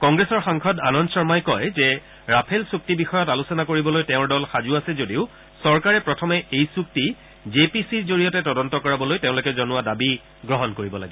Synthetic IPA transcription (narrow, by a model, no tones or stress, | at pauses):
kɔŋɡɹesɔɹxaŋkʰɔdanɔnsɔɹmajkɔjzɛ | ɹapʰelsuk̚tibixɔjɔtalusɔnakoɹibɔlojteʊ̃ɹdɔlxazʊasɛzodiʊ | sɔɹkaɹɛpɹɔtʰɔmɛʔejsuk̚ti | zepisizoɹijɔtɛtɔdɔntɔkɔɹabɔlojtẽʊ̃lokɛzɔnʊwadabi | ɡɹɔɦɔnkoɹibɔla̰ɡɛ